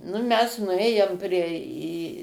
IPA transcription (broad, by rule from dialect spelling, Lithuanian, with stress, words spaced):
nʊ ˈmʲɛs nʊˈeːjoːm ˈpʲrʲiɛ iː